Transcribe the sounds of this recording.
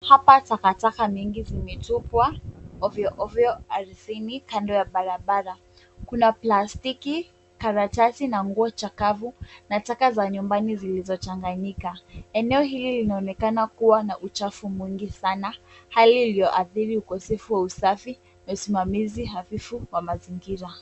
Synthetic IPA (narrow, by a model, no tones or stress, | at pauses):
hapatakatakamiŋɡizimɛtupwaɔviɔʔɔviɔaɾsinikandɔjaɓaɾaɓaɾa | kunaplastiki | kaɾatasinaŋɡuɔt͡ʃakavunatakazaɲumbanizilizɔt͡ʃaŋɡaɲikaɛnɛɔɦililinaɔnɛkanakuwanaʔut͡ʃafumwiŋɡisanahaliːlijɔʔaθiɾiukɔsɛfuwausafi | nausimamiziɦaθifuwamaziŋɡiɾa